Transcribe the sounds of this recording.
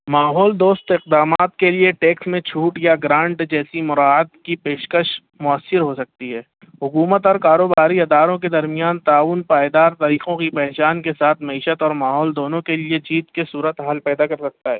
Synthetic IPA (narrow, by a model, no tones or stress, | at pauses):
maːɦɔːld̪oːst̪ɪqd̪aːmaːt̪kelieʈeːksmẽt͡ʃʰuːʈjaɡɾãːɳʈd͡ʒɛːsimʊɾaːət̪kipeːʃkəʃ | mʊəsːɪɾɦosɐk̚t̪iɦɛː | ɦʊkuːmət̪ɔːɾkaːɾoːbaːɾiɐd̪aːɾõked̪ɐɾmijaːnt̪aːʋʊnpaːjd̪aːɾt̪ɐɾiːqõkipɛɦt͡ʃaːnkesaːt̪ʰmɐiːʃət̪ɔːɾmaːɦɔːld̪oːnõkelied͡ʒiːt̪kesuːɾət̪ɦaːlpɛːd̪akɐɾsɐk̚t̪aɦɛ̰ː